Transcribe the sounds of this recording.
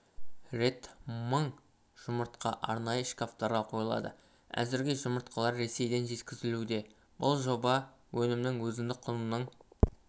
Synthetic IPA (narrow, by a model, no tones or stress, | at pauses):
re̞t̪məɴ | ʒ̥ʊməɾt̪qɑ̰ʔɑ̰ɾnɑjəʃkʲaft̪ɑɾʁɑqʰo̞jəlˠɑ̰d̪ə̰ | æ̰zɪɾɡʲe̞ʒʊməɾt̪qʰəlˠɑɾːe̞se̞jd̪e̞nʒe̞t̪kʲɪzɪlud̪e̞ | b̥ʊlˠʒo̞bɑ | wʔɵnɪmnɪŋwɵzɪnd̪ɪk̚qʰʊnənəɴ